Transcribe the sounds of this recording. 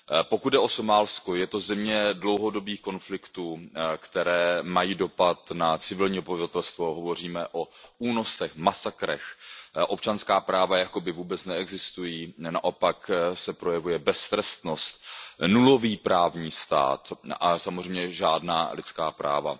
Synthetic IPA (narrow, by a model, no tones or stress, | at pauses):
pokud̪̚dɛʔo̞somaːlskojɛt̪o̞zɛmɲɛdlo̞wɦo̞do̞biːxko̞nflɪkt̪uːkt̪ɛɾɛːmajiːdo̞pat̪nat͡sɪvɪlɲiːobbavɪvat̪ɛlst̪vo̞ɦo̞vo̞r̝iːmɛʔouːno̞sɛxmasakɾɛ̰xʔo̞pt͡ʃanskaːpɾaːvajako̞bɪvuːbɛt͡snɛɛɡzɪst̪ujiːnaʔo̞paksɛpɾo̞jɛvujɛbɛst̪ɾɛst̪nost̪nulo̞viːpɾaːvɲiːst̪a̰ːt̪ʔasamozrɛjmɲɛʒaːdna̰ːlɪt͡skaːpɾa̰ːva̰